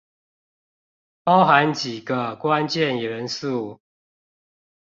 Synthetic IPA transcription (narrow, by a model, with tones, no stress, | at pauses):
pɑ˦ʊxa˨˦nt͡ɕi˨˩ɡə˦kwa˦nt͡ɕjɛ˥˨ni˨ɻə˨˦nsu˥˨